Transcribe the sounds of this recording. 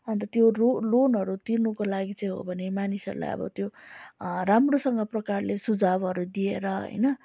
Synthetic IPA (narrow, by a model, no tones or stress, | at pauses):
ʌnt̪ʌt̪jololonɦʌɾut̪irnukolaɡit͡sʌj̃ɦo̰bʱʌnemanisʌ̰ɾṵla̰jʌ̰bʌ̰t̪jo | ramrosʌŋɡʌprʌkarlesud͡zabɦʌɾud̪ieɾʌɦʌ̰jnʌ